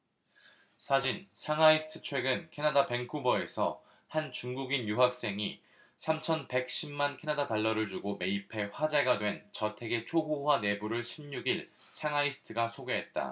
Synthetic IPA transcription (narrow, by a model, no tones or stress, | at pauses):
sʰad͡ʑinsʰaŋaisʰɯ̥tʰɯ̥t͡ɕʰwe̞ɡɯnkʰe̞nadape̞ŋkʰubʌe̞sʰʌ | hant͡ɕuŋɡuɡinjuɦak̚s͈e̞ŋi | sʰamt͡ɕʰʌnpe̞k̚ɕ͈imːankʰe̞nadataɭːʌɾɯɭt͡ɕuɡome̞ipʰe̞ɸwad͡ʑeɡadwe̞nt͡ɕʌtʰe̞ɡe̞t͡ɕʰoɦowane̞buɾɯɭɕʰimɲuɡiɭ | sʰaŋaisʰɯ̥tʰɯɡasʰoɡe̞ɦe̞t̚t͈a̰